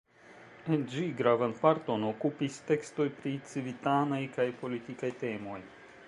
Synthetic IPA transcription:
end͡ʒiɡɾavanpaɾto̞nokupiste̞ksto̞jpɾit͡sivitanajkajpo̞litikajte̞mo̞j

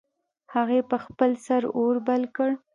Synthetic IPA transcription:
haɣepəxpəlsaɾoɾbalkəɽ

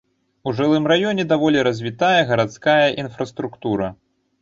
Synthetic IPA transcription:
uʐɨlˠɨmɾajɔnʲɛd̪avɔlʲiɾɐzʲvʲit̪ajɐɣɐɾat̪skajɐʔinfɾɐst̪ɾukt̪uɾɐ

